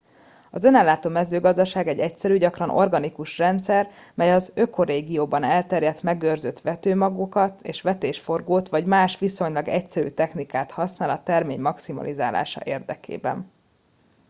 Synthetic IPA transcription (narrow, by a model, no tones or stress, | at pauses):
ɒzø̞naːlːaːt̪oːmɛzøːɡɒzd̪ɒʃaːɡɛɟːɛcsɛɾyːɟɒkrɒno̞rɡɒnikuʃrɛnt̪sɛrmɛjɒzøkʰoɾeːɡijoːbɒnɛlt̪ɛrjɛt̪mɛɡørzøt̪ʋɛt̪øːmɒɡukɒt̪ḛːʃʋɛt̪eːʃfo̞rɡoːt̪ʋɒɟmaːʃʋiso̞ɲlɒɡɛcsɛɾy̰ːt̪ɛxnikaːt̪hɒsnaːlɒt̪ɛrmeːɲmɒksimɒ̰lʔiza̰ːla̰ːʃɒ̰ʔeːrd̪ɛkʰḛːbɛ̰n